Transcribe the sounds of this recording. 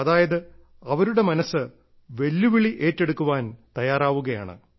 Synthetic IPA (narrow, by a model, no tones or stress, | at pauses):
ɐðaːjɐðɨ | ɐʋɐɾuɽe̞mɐnɐsːɨ | ʋe̞lːuʋiɭiʔe̞ːtːe̞ɽukːuʋaːnt̪ɐjaːraːʋuɣɐjaːɳɨ̰